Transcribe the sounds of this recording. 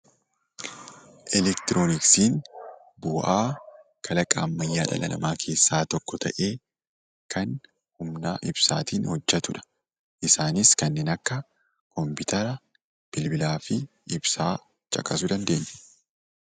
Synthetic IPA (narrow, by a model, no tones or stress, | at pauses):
ʔɛlɛkt̪ɪɾoːnɪksiːn | bʊːʔaː | kʰɐlɐkʼaːmːɐjːaːᶑɐ̰lɐ̰lɐ̰maːkʰe̞ːsːaːt̪ɔkːɔt̪ʰɐ̰ʔe̞ː | kʰɐn | hʊmnaːʔɪb̥sa̰ːt̪iːnhɔd͡ʒːɐt̪ʊᶑɐ̥ | ʔɪsaːnɪskɐnːeːnɐkːɐ | kɔmpɪt̪ʰɐɾɐ | b̥ɪlbɪlaːfɪ | ɪbsaː | t͡ʃʼɐ̰kʼɐs̬ʊd̪ɐnd̪e̞ːɲːɛ̥